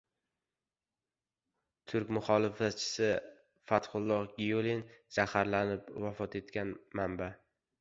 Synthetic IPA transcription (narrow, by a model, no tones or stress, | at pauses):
t̪ʰʊɾkʲmʊχɒlˠɪfat̪̚t͡ʃʰɪ̥sɪ | fat̪χʊlˠːɒqɡʲijolinz̥ahaɾlanɪpvafɒt̪ʰe̞t̪kʲanmamba